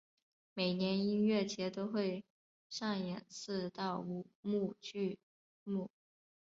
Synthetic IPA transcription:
me˨˩ɪnjɛ˧˥ni˥nɥɛ˥˩t͡ɕʰjɛ˧˥t̪o˥ʊxwe˥˧ɪ | ʂa˥˩ŋjɛ˨˩nsɹ̩˥˧t̪ɑ˥˩ʊu˨˩mu˥˧t͡ɕy˥˧ | mu˥˩

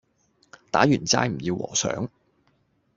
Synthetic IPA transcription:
t̪aː˨˥jyː˨˩nt͡sa̰ː˧jm̩˨˩jiː˧wwɔ̰ː˨˩sœ̰ː˨˥ŋ

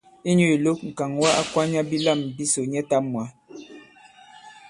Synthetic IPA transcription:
i˦ɲu˦˨i˨lo˦k̚ŋ̩˨ka˨ŋwa˦ʔa˦kwa˦ɲa˦bi˦la˦˨mbi˦so˨ɲɛ˦ta˦mwa˨˦

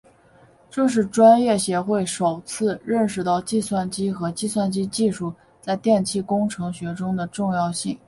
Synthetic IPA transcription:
ʈ͡ʂɤ˥˧ʂ̬ɻ̩˥˩ʈ͡ʂwa˥njɛ˥˩ɕjɛ˧˥xwe˥˩ɪʂo˨˩ʊt͡sʰɹ̩˥˧ɻə˥˩nʂ̬ɻ̩˧˩t̪ɑ˥˧ʊt͡ɕi˥˧swa˥˩nt͡ɕi˥xɤ˧˥t͡ɕi˥˧swa˥˧nt͡ɕi˥t͡ɕi˥˧ʂu˥˩ | t͡sa˥˧ɪt̪jɛ˥˧nt͡ɕʰi˥˩kʊ˥ŋʈ͡ʂʰɤ˧˥ŋɕɥɛ˧˥ʈ͡ʂʊ˥ŋd̪ə˨ʈ͡ʂʊ˥˧ŋjɑ˥˧ʊɕi˥˩ŋ

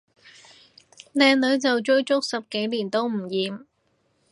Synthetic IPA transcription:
lɛː˧ŋlɵ˨˧˥ɥt͡sɐ˨wt͡ʃɵ˥ɥt͡sʊ˥k̚sɐ˨p̚ke˨˥jliː˨˩nt̪o˥wm̩˨˩jiː˨m

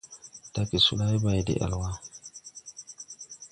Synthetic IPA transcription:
d̥a˦ki˨sṵ˦la˦i˦ba˨jdḛ˨ʔa̰˨lwa˦

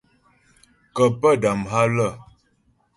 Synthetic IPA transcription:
kə˨pə˦˨da˨mɦa˦lə˦˨

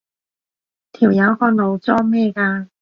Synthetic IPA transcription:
t̪ʰiː˨˩wjɐ˨˧˥whɔː˧nlo˨˧wt͡sɔː˥mɛː˥˧kaː˧

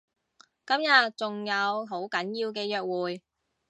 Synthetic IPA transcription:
kɐ˨˥mjɐ˨t̚t͡sʊ˨ŋjɐ˨˧wɦo˨˥wkɐ˨˥njiː˧wkɛː˧jœː˨k̚wuː˨˩j

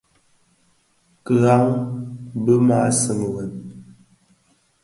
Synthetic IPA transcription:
kə˨ɣa˦ŋ | bə˦maː˨˦sɨ˨m˨wə˨n

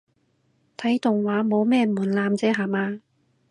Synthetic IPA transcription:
t̪ʰɐ˨˥jt̪ʊ˨ŋwaː˨˥mo˨˧wmɛː˥muː˨˩nlaː˧mt͡sɛː˥ɦaː˨˩maː˧

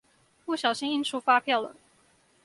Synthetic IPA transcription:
pu˥˩ɕjɑ˨˩ʊɕi˥ŋi˥nʈ͡ʂʰu˥fa˥pʰjɑ˥˩ʊlə̰˩

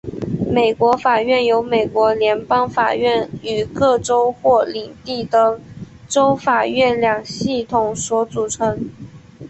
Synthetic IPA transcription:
me˨˩ɪkwɔ˧˥fa˨˩ɥɛ˥˩njo˧˥ʊme˨˩ɪkwɔ˧˥ljɛ˧˥npɑ˥ŋfa̰˨˩ɥɛ˥˩ny˨˩kɤ˥˩ʈ͡ʂo˥ʊxwɔ˥˩li˨˩ŋt̪i˥˩d̪ə˩ | ʈ͡ʂo˥ʊfa˨˩ɥɛ˥˩nljɑ˨˩ŋɕi˥˩t̪ʰʊ˨˩ŋswɔ˧˥t͡su˨˩ʈ͡ʂʰɤ˧˥ŋ

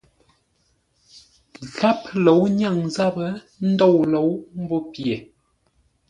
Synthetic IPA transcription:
ɣa˦plo˨˦wɲa˦˨ŋza˦bə˦ | n̩˦dɔ˦˨wlo˨˦wm̩˦bɔ˦pje˨

